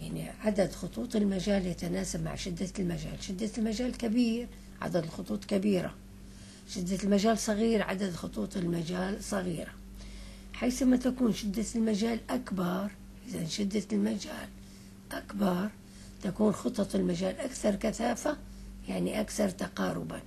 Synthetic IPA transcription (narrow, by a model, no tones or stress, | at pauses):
jaʕnḭʕad̪ad̪xʊt̪ˤuːt̪ˤɪlmad͡ʒaːljat̪anaːsabma̰ʕʃɪd̪ːalmad͡ʒa̰ːlʃɪd̪ːalmad͡ʒaːlkabiːɾ | ʕa̰d̪ad̪ɪlxʊt̪ˤuːt̪ˤkabiːɾa̰ | ʃɪd̪ːalmaʒaːlsˤɑɣiːɾʕa̰d̪ad̪xʊt̪ˤuːt̪ˤɪlmad͡ʒaːlsˤɑɣiːɾa | ħaːθɪmːat̪akuːnʃɪd̪ːalmad͡ʒaːlʔakbɑɾˤ | ʔɪðanʃɪd̪ːalmad͡ʒaːl | ʔakbɑɾˤ | t̪akuːnxʊt̪ˤːɑt̪ˤɪlmaʒaːlʔakθɑɾˤkaθaːfa | jaʕniʔakθɑɾˤt̪aqɑːɾʊ̰ba̰